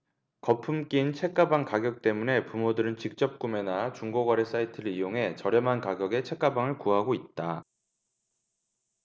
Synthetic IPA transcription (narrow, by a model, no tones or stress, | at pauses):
kʌpʰumk͈int͡ɕʰe̞k͈̚abaŋkaɡjʌk̚t͈e̞mune̞pumodɯɾɯnt͡ɕik̚t͡ɕ͈ʌp̚k͈ume̞nat͡ɕuŋɡoɡwaɾes͈aitʰɯɾɯɭijoŋɦe̞t͡ɕʌɾjʌmɦankaɡjʌɡe̞t͡ɕʰe̞k͈abaŋɯɭkuɦaɡoit̚t͈a